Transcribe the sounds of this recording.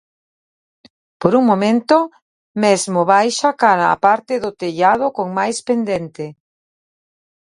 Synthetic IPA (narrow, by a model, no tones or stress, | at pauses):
poɾuŋmomẽnt̪o | mezmoβajʃakaɾa̰ːpaɾt̪ɪðot̪eʎað̞ʊkoŋmajspend̪ent̪e